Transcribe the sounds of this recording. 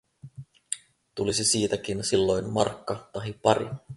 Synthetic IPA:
t̪ulisesiːt̪ækinsilːo̞jnmɑ̰rkːɑt̪ɑɦipɑɾḭ

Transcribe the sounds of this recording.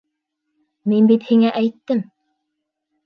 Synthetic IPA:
minbit̪hiŋæʔæjt̪ːɘm

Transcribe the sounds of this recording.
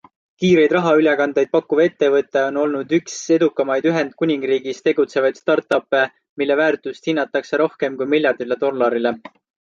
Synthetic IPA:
kiːɾe̞jd̪rɑɦɑylʲekɑnd̪e̞jd̪̚pɑkːˑuve̞t̪ːe̞vɤt̪ːˑeo̞no̞lnud̪ykse̞d̪ukːˑɑmɑjd̪yɦe̞nd̪̥̚kunʲiŋɡ̥riːɡist̪e̞ɡut̪se̞vɑjd̪st̪ɑrt̪ːˑɑpːˑe | milːe̞væːɾt̪ˑust̪hinːɑt̪ːˑɑkse̞ɾo̞hke̞mkujmilʲjɑrd̪̥ile̞d̪o̞lːɑɾile̞

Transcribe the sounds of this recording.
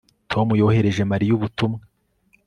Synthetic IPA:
tʰo̞mujo̞ːhe̞ɾe̞ʒe̞maɾijuβutumŋe

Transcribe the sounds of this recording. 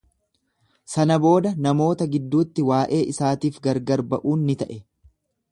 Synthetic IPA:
sɐnɐbo̞ːd̪ɐnɐmo̞ːt̪ɐɡɪd̪ːuːt̪ːɪwaːʔe̞ːʔɪsaːt̪iːfɡɐɾɡɐɾbɐʔuːnːɪt̪ɐʔɛ

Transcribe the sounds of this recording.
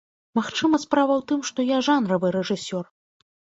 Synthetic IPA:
maxt͡ʂɨmɐspɾavɐwt̪ɨmʂt̪ɔjaʐanɾɐvɨɾɛʐɨsʲɔr

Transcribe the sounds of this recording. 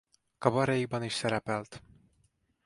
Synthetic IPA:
kɒbɒɾɛjiɡ̚bɒniʃsɛɾɛpɛlt̪

